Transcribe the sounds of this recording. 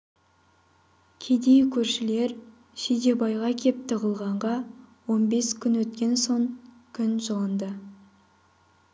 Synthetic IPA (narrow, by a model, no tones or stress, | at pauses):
kʲʰe̞d̪e̞jkʲʰɵɾʃɪle̞ɾ | ʃed̪e̞bɑjʁɑkʲʰe̞p̚t̪əʁəlˠʁɑɴʁɑwo̞nbe̞skʲʰʏnwɵt̪kʲe̞nso̞ŋ | kʲʰʏnʒəlˠənd̪ə